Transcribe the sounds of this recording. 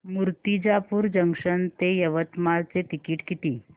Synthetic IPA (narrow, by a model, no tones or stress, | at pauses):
muɾt̪id͡ʑapuːɾd͡ʑəŋʂənt̪ejəʋət̪malt͡set̪ikiːʈkit̪iː